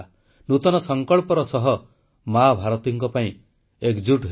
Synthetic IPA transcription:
nut̪ɔnɔsɔŋkɔɭpɔɾɔsɔɦɔ | mabʱaɾɔt̪iŋkɔpaĩ | ekd͡ʒuʈɦ

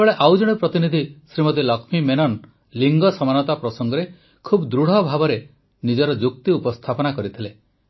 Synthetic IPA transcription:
eeɭeʔawd͡ʒɔɽ̃ipɾɔt̪inid̪ʱisɾimɔt̪̬ilɔkʰmimenɔn | liŋɡɔsɔmanɔt̪apɾɔsɔŋɡɔɾe | kʰubd̪ɾuɽ̤ɔbʱabɔɾe | nid͡ʒɔɾɔd͡ʒuk̚t̪iupɔst̪ʰapɔnakɔɾit̪ʰile

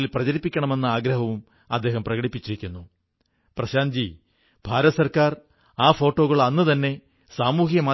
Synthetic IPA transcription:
ilprɐd͡ʑɐɾipːikʲːɐɳɐme̞nːɨaːɡɾɐɦɐʋum | ɐd̪ːe̞ːɦɐmprɐɣɐɽipːit͡ɕːiɾikʲːunːu | prɐɕaːnd͡ʑi | b̥ʱaːɾɐɐsɐrkaːr | aːfo̞ːʈːo̞ːɣɐɭɐnːɨt̪ɐnːe̞ | saːmuːɦjɐmaː

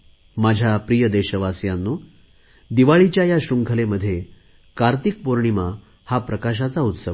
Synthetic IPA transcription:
mad͡ʑʱjapɾijəd̪eɕəʋasjanːu | d̪iʋaɭit͡ɕjajaɕɾuŋkʰəleməd̪ʱːje | kaɾt̪ik̚poɾɳima | hapɾəkaɕ̬at͡saut̪səʋ

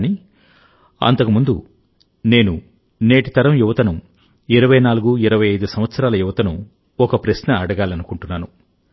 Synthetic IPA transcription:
ni | ɐ̰nt̪ɐkumund̪u | ne̞ːnu | ne̞ːʈit̪ɐɾɐmjuʋɐt̪ɐnu | iɾɐʋɐjnaːluɡuiɾɐʋɐjɐjd̪usɐm̃ʋɐt̪sɐɾaːlɐjuʋɐt̪ɐnu | ɔkɐpɾɐsnɐɐɽɐɡaːlɐnukuɳʈunːaːnu

